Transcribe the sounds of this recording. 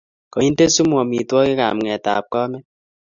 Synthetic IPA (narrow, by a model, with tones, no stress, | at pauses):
kɔ˨ɲi˦n˦te˦su˦mwɔ˨mi˨twɔ˦ki˦ka̰˨mŋɛ˨ta̰˨p̚kɔ˦mɛ˦